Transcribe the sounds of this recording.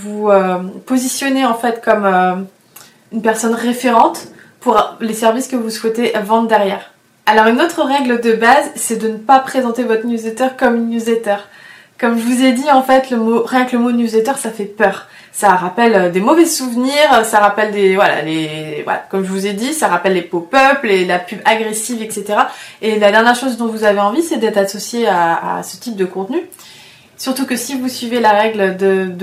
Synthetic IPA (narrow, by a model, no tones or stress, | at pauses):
vuøpozisjɔneɑ̃fɛt̪kɔmø | ynpɛʁsɔnʁefeʁɑ̃t̪ | puʁlesɛʁviskəvuswɛt̪eʔvɑ̃d̪d̪ɛʁjɛːʁ | alɔʁynot̪χəʁɛɡləd̪əbazsɛd̪ənəpapχezɑ̃t̪evɔt̪χnjuzlet̪œʁkɔmnjuzlet̪œʁ | kɔmʒəvuzed̪iɑ̃fɛt̪ləmoʁjɛ̃kləmonjuzlet̪œʁsafɛpœːʁ | saʁapɛlød̪emɔvɛsuvniʁøsaʁapɛld̪evwala̰levwa̰la̰kɔmʒəvuzed̪isaʁapɛlːepopœplelapybaɡʁesivɛkset̪eʁaelad̪ɛʁnjɛʁʃozd̪ɔ̃vuzaveɑ̃visɛd̪ɛt̪χasɔsjeaa̰sə̥t̪ip̚d̪əkɔ̃t̪ny | syʁt̪ukəsivusɥivelaʁɛɡld̪əd̪